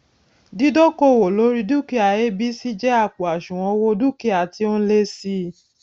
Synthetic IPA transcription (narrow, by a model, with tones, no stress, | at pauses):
di˦do˦ko˦˨wo˨lo˨˦ɾi˦du˦˨ki˦a˨je˦bi˦si˦d͡ʒɛ˦a˦˨k͡po˨a˨ʃũ˨w̃ɔ̃˧wo˧du˦˨ki˦a˨ti˧o˦n̩˦le˦si˧˦